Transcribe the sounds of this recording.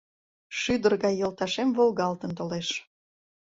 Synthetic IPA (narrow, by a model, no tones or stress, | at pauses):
ʃyd̪ərɣɑjːəlt̪ɑʃemvolˠɣɑlt̪ənt̪oleʃ